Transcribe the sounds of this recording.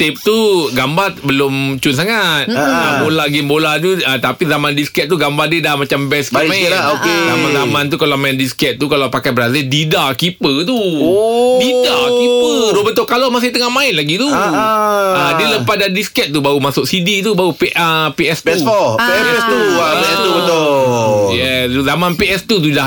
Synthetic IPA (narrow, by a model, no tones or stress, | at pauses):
t̪ep̚t̪uɡambarbəlʊmt͡ʃuns̬aŋat̪̚abolaɡembolat̪̬uat̪apizamandiskɛt̪̚t̪uɡambardədamat͡ʃambɛskamãɪlokezaanzamãnt̪̬ukalamaɪndiskɛt̪̚t̪ukalawpakajbəɾazildidakipət̪uodidakipədobənt̪ʊʔkalɔmasɪht̪əŋahmãɪnlaɡit̪u | adələpasdandiskɛt̪̚t̪ːubaumasʊk̚sidit̪ubaupiəpiʔɛst̪ɛuɔiɛɛɛst̪uat̪ubət̪ojɛsuzamanpiʔɛst̪usudah